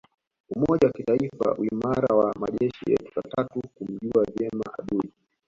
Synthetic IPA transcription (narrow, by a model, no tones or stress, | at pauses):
umɔʄawakitaifa̰uimaɾawamaʄɛʃijɛ̰tu̥katatukum̩ʄuavɛma̰ʔaɗuɗi